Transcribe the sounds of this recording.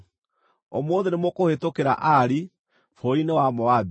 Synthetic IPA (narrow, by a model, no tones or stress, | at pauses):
omoːðenemokohetokeɾa̰ʔaɾi | foinewamɔab